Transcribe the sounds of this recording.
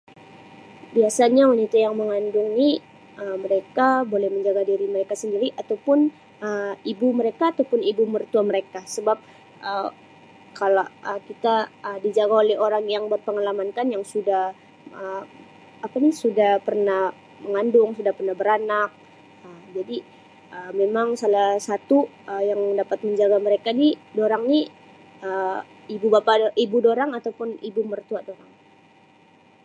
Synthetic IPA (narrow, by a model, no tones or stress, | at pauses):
biasaɲawanit̪ajaŋməŋandʊŋni | əməɾekabolɛhməɲd͡ʒaɡadiɾiməɾekasəndiɾiʔat̪awpʊn | əibuməɾekaːt̪awpʊnibumərt̪uaməɾekasəbap̚ | ʔə | kalaʔəkit̪aədid͡ʒaɡaolɛɦoɾaŋjaŋbərpəŋalamankanjaŋsudah | ə | apanisudahpərnah | məŋandʊŋsudahpərnahbəɾanak̚ | əd͡ʒadi | ʔəmemaŋsalasat̪u | əjaŋdapat̪̚məɲd͡ʒaɡaməɾekanidoɾaŋni | ə | ibubapaʔibudoɾaŋat̪awpʊnibumərt̪uaʔdoɾaŋ